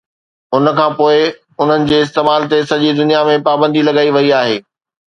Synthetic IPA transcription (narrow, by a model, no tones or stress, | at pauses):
ʊnə̆kʰãːpoːɪ | ʊn̤ənɪ̆d͡ʑeːɪs̬t̪eːmaːlt̪esɐd͡ʑid̪ʊnijamẽpaːbə̃nd̪ilɐɡaːiʋɐiaːɦḛː